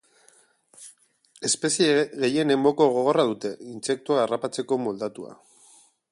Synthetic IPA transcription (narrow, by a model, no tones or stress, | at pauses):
e̞spe̞sieɣe̞je̞ne̞mbo̞ko̞ɣ̞o̞ɣ̞o̞raðut̪e̞inse̞k̚t̪uaːrapat͡se̞ko̞mo̞ld̪at̪ua̰